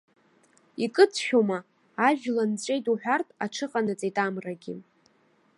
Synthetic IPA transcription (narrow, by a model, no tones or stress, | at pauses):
ikʼɨt͡sʰʃʲᶣomaː | ʒᶣlant͡sʷʼe̞jtʼuħʷᶣartʼaʈ͡ʂʰɨqʼanɨt͡sʼejtʼamraɡʲɪ̰